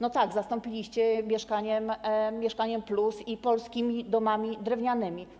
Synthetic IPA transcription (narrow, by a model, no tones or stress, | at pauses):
nɔt̪aɡzast̪ɔmpʲilʲiɕt͡ɕɛmʲjɛʂkaɲɛmmʲjɛʂkaɲɛmplusipɔlskʲimʲid̪ɔmamʲid̪ɾɛvɲanɘmʲi